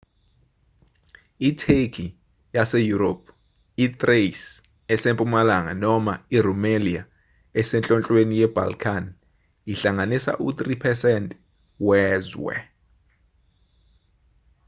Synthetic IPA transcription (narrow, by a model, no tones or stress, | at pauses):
itʰekʰi | jasejuɾop̚ʰ | it̪ʼres | ɛsempʼumalaŋa̰nɔmairumelia | ɛsɛnt͡ɬʼɔnt͡ɬʼwenijɛb̥ʱa̰lkʰan | iɬaŋanisa̰ʔut̪ripʰɛsɛntʼ | wɛːzwɛ̰